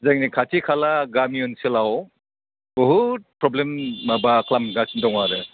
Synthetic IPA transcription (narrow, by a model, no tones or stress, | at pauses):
zaŋnikʰatʰikʰalaɡamiɔnselaw | bɔɦut̚pɾɔblemːabakʰlamɡasndɔŋaɾɯ